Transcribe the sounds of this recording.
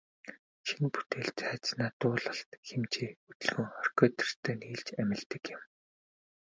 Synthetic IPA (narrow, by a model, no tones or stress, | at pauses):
ʃinput̪ʰeːɮt͡sæːt͡snaːt̪ʊːɮə̆ɬt̪xemt͡ɕʰiːɵt̪ɵ̆ɮɣɵ̆ŋχœr̥ʲkœːt̪ɪ̆r̥t̪ʰœːniːɮt͡ɕæmʲɪ̆ɮt̪ɘ̆kjɪ̆m